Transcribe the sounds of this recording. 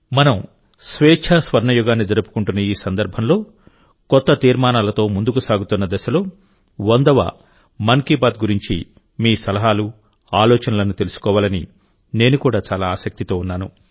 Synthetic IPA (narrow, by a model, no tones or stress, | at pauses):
mɐnɐm | sʋɛːt͡ʃʰaːsʋɐɾɳɐjuɡaːnːid͡ʒɐɾupu̥kuɳʈunːɐiːsɐnd̪ɐɾbʱɐmlo̞ː | kɔt̪ːɐt̪iːɾmaːnaːlɐt̪o̞ːmund̪ukusaːɡut̪unːɐd̪ɛsɐlo̞ː | ʋɐnd̪ɐʋa̰ | mɐŋkiːbaːd̪̚ɡuɾiɲt͡ʃi | miːsɐlɐɦaːlu | aːlɔːt͡ʃɐnɐlɐnut̪e̞lusu̥kɔːʋaːlɐnḭ | ne̞ːnukuːɽaːt͡ʃaːlaːaːsɐk̚t̪it̪o̞ːunːaːnu